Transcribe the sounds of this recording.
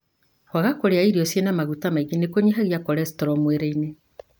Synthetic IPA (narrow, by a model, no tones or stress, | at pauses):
kwaɣakoɾeaiɾiɔsjenamaɣutamaiɣinekoɲiɦaɣjakɔɾɛstɔɾɔmweɾeine